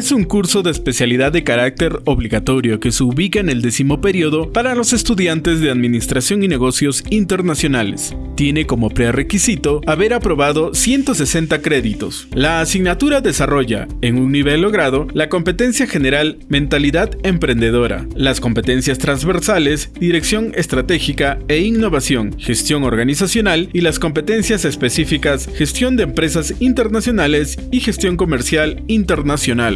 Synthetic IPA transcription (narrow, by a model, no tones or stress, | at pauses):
esuŋkuɾso̞ðeːspe̞sjaliðaðːe̞kaɾak̚t̪e̞ɾo̞βliɣat̪o̞ɾjo̞ke̞seuβikaene̞ld̪e̞simo̞pe̞ɾio̞ðo̞paɾalo̞se̞st̪uðjant̪e̞zðe̞aðmĩnist̪ɾasjo̞ŋine̞ɣo̞sjo̞sint̪e̞ɾnasjo̞nale̞̰s | t̪je̞ne̞ko̞mo̞pɾere̞kisit̪o̞aβe̞ɾapɾo̞βaðo̞sje̞nt̪o̞se̞se̞nt̪akɾe̞ðit̪o̞̰s | laːsiɡnat̪uɾaðe̞saro̞ʝa̰eŋunniβe̞lːo̞ɣɾaðo̞lako̞mpe̞t̪e̞nsjaxe̞ne̞ɾalmẽ̞nt̪aliðaðe̞mpɾe̞nd̪e̞ðo̞ɾa̰lasko̞mpe̞t̪e̞nsjast̪ɾanzβe̞ɾsale̞zd̪iɾe̞ksjo̞ŋe̞st̪ɾat̪e̞xikae̞iŋno̞βasjo̞ŋxe̞st̪jo̞ŋo̞ɾɣanisasjo̞nalilasko̞mpe̞t̪e̞nsjase̞spe̞sifikasxe̞st̪jo̞nd̪eːmpɾe̞sasint̪e̞ɾnasjo̞nale̞s | ixe̞st̪jo̞ŋko̞me̞ɾsjal | int̪e̞ɾnasjo̞nal